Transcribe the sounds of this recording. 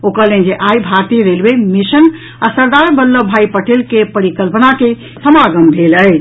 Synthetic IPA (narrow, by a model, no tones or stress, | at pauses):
okəɾlẽnd͡ʒeʔajbʱaɾt̪iɾelbemisən | asəɾd̪aɾbəlːəbʱaipəʈelkepəɾikəlpənake | səmaɡəmbʱeləj